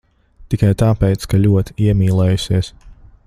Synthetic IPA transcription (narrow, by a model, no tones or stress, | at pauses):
t̪ikajt̪aːpɛjt̪skalʲuɔt̪i̥iɛmʲiːlˠɛːjusiɛs